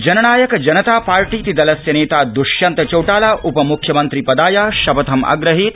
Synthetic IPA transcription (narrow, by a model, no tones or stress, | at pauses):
d͡ʒɐnɐnaːjɐkɐd͡ʒɐnɐt̪aːpaːɾʈiːt̪id̪ɐlɐsjɐneːt̪aːd̪uʃjɐnt̪ɐt͡ʃɐwʈaːlaːʔʔupɐmukʰjɐmɐnt̪ɾipɐd̪aːjaːʃɐbɐt̪ʰɐma̰ːɡɾɐɦiːt̪